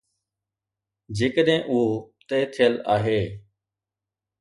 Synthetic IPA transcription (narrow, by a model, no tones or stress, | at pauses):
d͡ʑeːkəɗɦɪ̃ʔʊɦot̪eːt̪ʰijəla̰ːɦeː